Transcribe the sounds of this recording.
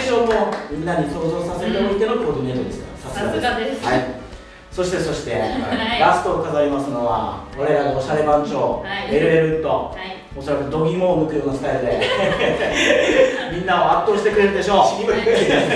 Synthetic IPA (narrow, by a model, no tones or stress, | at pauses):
ʑo̞ːno̞mʲĩnːaɲ̟iso̞ːzo̞ːsase̞t̪eɾoit̪e̞not̪ːkoonieɾɯd̪esɨka̰sat͡sɨɡaehai | so̞ɕi̥t̪e̞so̞ɕi̥t̪e̞ɾasɨ̥t̪o̞kazaɾʲimasɨno̞βa̰βaɾe̞ɾaɡaoɕaɾe̞bãɲt͡ɕo̞ːeɾɯɾeɾɯ̟t̪o̞ | oso̞ɾakɯd̪o̞ɡʲimoːmɯ̟kɯ̟ɾok̪osɨ̥t̪aed̪e | mʲĩnːao̞at̪ːo̞ːɕi̥t̪e̞kɯ̟ɾe̞ɾɯnd̪eɕo̞ːɕiimɯkie